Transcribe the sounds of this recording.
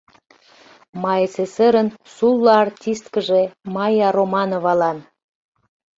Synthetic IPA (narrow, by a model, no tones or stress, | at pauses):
mɑjesesəɾənsulːɑɑrtʲist̪kəʒemɑjɑɾomɑnovɑlɑn